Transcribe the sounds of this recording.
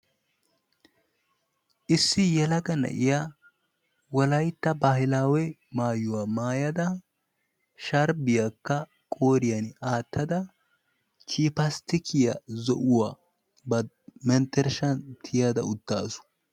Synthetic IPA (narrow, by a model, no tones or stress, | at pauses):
ʔɪsːɪjɛlɐɡɐnɐ̰ʔɪja | wɔlɐjt̪ːɐbaːhɪlaːwɛmaːjːʊwaːmaːjɐd̪ɐ | ʃɐɾbɪjakːɐ | kʼoːɾɪjɐnaːt̪ʰːɐd̪ɐ | kʰiːpɐst̪ɪkʰɪjɐzɔʔʊwaː | bɐ | mɛnt̪ɛɾʃɐnt̪ʰɪjad̪ɐ̰ʊt̪ːaːsʊ̥